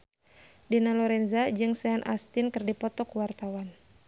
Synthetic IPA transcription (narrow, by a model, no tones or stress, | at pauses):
dinalɔɾɛnzad͡ʒɨŋsɛanʔa̰st̪ɪnkɨrdipɔt̪ɔkuwart̪awan